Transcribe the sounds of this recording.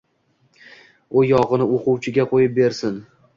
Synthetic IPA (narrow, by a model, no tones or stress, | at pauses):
ʊjɒʁɨnɪoqʰuwt͡ʃʰɪɡʲaqʰojɪp̚be̞ɾsɪn